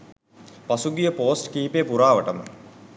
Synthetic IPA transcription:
pasuɡijəpoːsʈkiːpepuɾaːʋəʈəmə̰

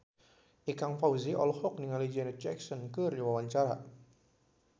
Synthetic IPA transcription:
ʔikaŋfawziʔɔ̰lhɔk̚niŋalid͡ʒɛnət̚d͡ʒɛksɔnkɨrdiwawaɲt͡ʃaɾa̰

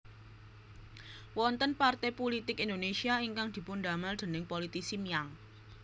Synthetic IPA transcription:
wɔnt̪ənpart̪ɛpolit̪ɪkind̪onesiaiŋkaŋd̪̥i̤pund̪a̤mald̪̥e̤nɪŋpolit̪isimijaŋ

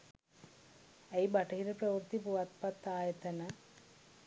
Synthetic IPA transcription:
ɐjbɐʈɐɦiɾɐprɐʋuɾt̪ipuʋɐt̪pɐt̪ːaːjɐt̪ɐnɐ

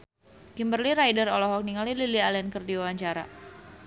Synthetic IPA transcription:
kimbərliɾajdəɾɔlɔɦɔk̚niŋalililialɛnkərdiwawaɲt͡ʃaɾa̰

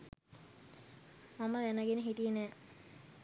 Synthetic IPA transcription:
maməd̪ænəɡenəɦiʈijənæː

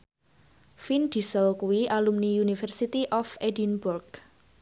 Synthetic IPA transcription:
find̪̥isəlkuwiʔalumniunifərsit̪iʔɔfedinburɡ

